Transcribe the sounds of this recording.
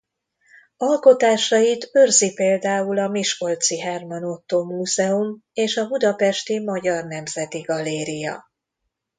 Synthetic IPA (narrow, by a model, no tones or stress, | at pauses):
ɒlko̞t̪aːʃɒjit̪ørzipeːld̪aːulɒmiʃko̞lt̪siɦɛrmɒnot̪ːoːmuːzɛumeːʃɒbud̪ɒpɛʃt̪imɒɟɒrnɛmzɛt̪iɡɒleːɾijɒ̰